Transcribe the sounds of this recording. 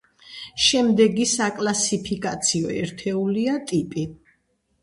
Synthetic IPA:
ʃɛmd̪ɛɡisakʼlasipʰikʼat̪sʰiɔɛ̰ɾt̪ʰɛuliat̪ʼipʼi

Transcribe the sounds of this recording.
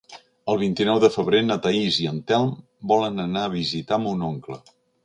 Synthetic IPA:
əlˠβ̞int̪inɔwðəfəβ̞ɾenət̪əiziənt̪ɛlˠm | bɔlənənaəβ̞izit̪amunoŋklə̰

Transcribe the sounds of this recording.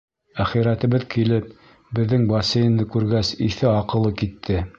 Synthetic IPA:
æχiɾæt̪ɘ̆βɘðkilɘp̚ | bɘ̆ðːɘŋbɑsejɘ̆nd̪ɤkʉɾɡæsiθɘɑqɤ̆lˠɤkit̪ʰːɘ

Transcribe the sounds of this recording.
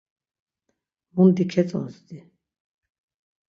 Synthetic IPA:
mund̪ikʰɛt͡sʼɔ̰nsd̪i

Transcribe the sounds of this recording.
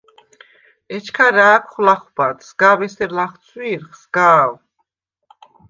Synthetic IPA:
ɛt͡ʃʰkʰaɾaːkʰχlaχbat̪sɡavɛsɛɾlaχt̪sʰwiːɾχsɡaːw

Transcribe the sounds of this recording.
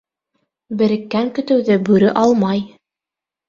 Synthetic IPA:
bɘ̆ɾɘ̆kːæŋkɵ̆t̪ɘ̆wðɘbʉɾɘʔɑlˠmɑj

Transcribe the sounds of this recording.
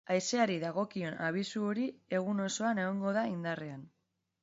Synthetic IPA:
ajse̞aɾiðaɣ̞o̞kio̞naβ̞isuo̞ɾie̞ɣ̞uno̞so̞ane̞ɣo̞ŋɡo̞ðaind̪arean

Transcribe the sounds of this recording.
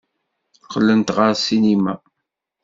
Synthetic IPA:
qːəlːənt̪ʁəɾsinimæ̰

